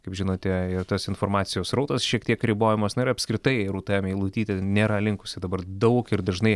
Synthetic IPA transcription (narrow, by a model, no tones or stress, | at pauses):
kɐɪpʒʲɪnoːt̪ʲɛɪrt̪ɐsɪnfoːrmɑːt̪sʲɪjoːsɾɐʊt̪ɐsʃʲiɛkt̪ʲiɛkɾʲɪboːjɪmɐsnʊɪɾɐpʲskɾʲɪt̪ɐɪɾuːt̪ɑːmʲilˠuːt̪ʲiːt̪ʲɛnʲeːɾɐlʲɪŋkʊ̥sʲɪd̪ɐbɐɾd̪ɐʊkɪɾd̪ɐʒnɐɪ